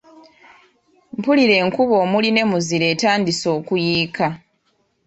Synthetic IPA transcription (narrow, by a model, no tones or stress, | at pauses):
mpuliɾe̞ːŋkuβo̞ːmuline̞muziɾe̞ːtaːndiso̞ːkujiːka